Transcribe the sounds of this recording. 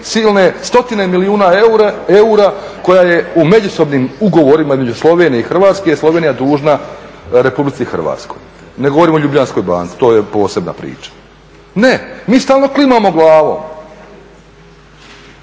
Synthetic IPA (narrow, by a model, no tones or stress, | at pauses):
siːlˠne̞st̪o̞t̪inemiliuːnaueuɾako̞jajeume̞d͡ʑuso̞bnimuɡo̞ʋo̞ɾimaizmed͡ʒuslˠo̞ʋeːnijeixr̩ʋaːt̪skejeslo̞ʋeːnijad̪uːʒnaɾe̞publit̪sixr̩ʋa̰ːt̪sko̞̰j | neɡo̞ʋo̞ɾiːmo̞ʎublʎansko̞jba̰ːnk̪si̥t̪o̞ːjepo̞ːse̞bna̰pɾḭːt͡ʃḁ | nemiːst̪aːlˠno̞klimamo̞ɡlˠaːʋo̞̰m